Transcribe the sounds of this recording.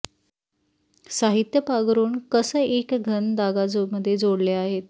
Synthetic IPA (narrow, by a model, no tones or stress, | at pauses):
saɦit̪jəpaɡɾuːɳkəsəʔekɡʱənd̪aɡad͡zoməd̪ʱːjed͡zoɽleaɦet̪